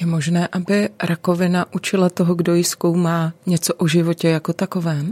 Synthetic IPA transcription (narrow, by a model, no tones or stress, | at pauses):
jɛmo̞ʒnɛːʔabɪɾʔako̞vɪnaʔut͡ʃɪlat̪oɦoɡdo̞jɪskowmaːɲɛt͡soʔoʒɪvo̞cɛjako̞t̪ako̞vɛːm